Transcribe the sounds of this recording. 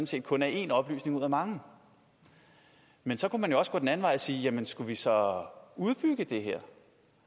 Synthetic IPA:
nse̝̰ːd̥̚kʰɔ̽næe̝nɒ̽b̥ly̰ːsne̝ŋuð̰ˠæmɑ̈ŋə | mensɒ̽kʰumænjo̝ɒ̽sɡ̥ɔ̽ːdenæn̩ʋɑ̈ɪsiːjæmənsɡ̥uʋisɒ̽uð̞ˠb̥yɡ̥əd̥e̝ɦeɐ̰

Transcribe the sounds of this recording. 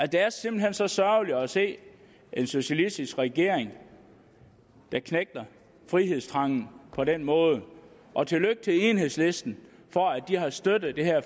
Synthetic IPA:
æd̥eæɐse̝mb̥l̩ɦensɒ̽sɶɐliɒse̝̰ː | e̝nso̝ɕælisd̥isɡ̥ʁɛɡ̥e̝ɐ̰eŋ | d̥ɑ̈kʰneɡ̥̚d̥ɐ | fʁiɦe̝ðˠsd̥ʰʁɑ̈ŋ̰n̩pʰɒ̽ɾenmɔ̽ːð̞ˠ | ʔɒ̽t͡sʰe̝løɡ̥̚t͡sʰe̝enɦe̝ðˠsle̝sd̥n̩ | fɒ̽æd̥iɦɑ̈sd̥ød̥ð̩ˠd̥e̝hæɐ̰

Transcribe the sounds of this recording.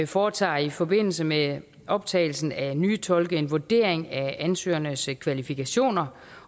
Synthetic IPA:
fɒːt͡sʰɑ̰̈ːifɒ̽be̝n̰l̩səme | ɒ̽b̥̚t͡sʰɛ̰ːɪl̩sn̩ænyːt͡sʰɒ̽lɡ̥əe̝nʋod̥e̝̰ɐ̰eŋæænsø̰ːɐnəskʰʋælifikʰæɕo̝̰ːnɐ

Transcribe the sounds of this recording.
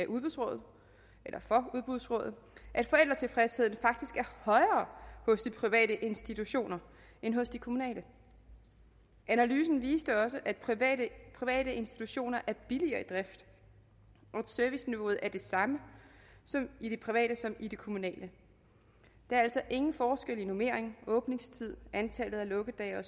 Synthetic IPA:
æʔuð̞ˠb̥uðˠsʁɔ̽ːð̩ˠ | elʔɐfɒ̽uð̞ˠb̥uð̞ˠsʁɔ̰̽ːð̩ˠ | ʔæd̥fɒ̽el̰d̥ʁɐt͡sʰe̝lfʁeshe̝ð̰ˠn̩fɑ̈ɡ̥̚d̥isɡ̥æɐhɒ̽ɪɐːhɔ̽sd̥ipʰʁiʋɛ̰ːɾəʔe̝nsd̥it͡sʰuɕo̝̰ːnɐ | enɦɔ̽sd̥ikʰo̝munɛ̰ːlə | ʔænælyːsn̩ʋḭːsd̥əɒ̽səʔæd̥pʰiɛdəpʰʁiʋɛ̰ːɾ̥əe̝nsd̥i̥t͡sʰuɕo̝̰ːnɐʔæɐb̥iliɐːid̥ʁɛfd̥ | ʔɒ̽ed̥søɐʋisniʋo̝ð̩ˠæɐd̥e̝sɑ̈məsɒ̽mid̥e̝pʰʁiʋɛ̰ːɾ̥əsɒ̽mid̥e̝kʰo̝munɛ̰ːlə | d̥ɑ̈ɐæl̰sɒ̽ʔe̝ŋn̩fɒːsɡ̥el̰ino̝me̝̰ɐ̰eŋɔ̽ːb̥ne̝ŋst͡sʰið̞̰ˠʔænt͡sʰæl̰ð̩ˠælɔ̽ɡ̥əd̥ɛːɒs

